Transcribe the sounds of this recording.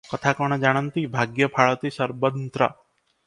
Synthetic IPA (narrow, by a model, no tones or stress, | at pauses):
kɐt̪ʰakəɽ̃əd͡ʒaɽ̃ɐnt̪ibʱaɡjɐpʰaɭɐt̪isɐɾbənt̪ɾɐ̰